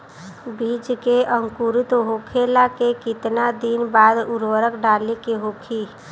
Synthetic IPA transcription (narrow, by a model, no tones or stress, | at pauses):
biːd͡ʒkeʔə̃ŋkuːɾɪt̪ɦoːkʰelakekɪt̪nad̪inbaːd̪ʊɾwəɾəkɖaːlikeɦoːkʰiː